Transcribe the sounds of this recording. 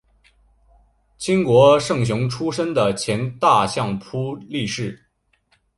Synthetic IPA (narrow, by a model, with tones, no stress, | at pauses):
t͡ɕʰi˥ŋkwɔ˧˥ʂɤ˥˩ŋɕ̬ʊ˧˥ŋʈ͡ʂʰu˥ʂə˥nd̪ə˨t͡ɕʰjɛ˧˥nt̪a˥˧ɕjɑ˥˩ŋpʰu˥li˥˧ʂɻ̩˥˩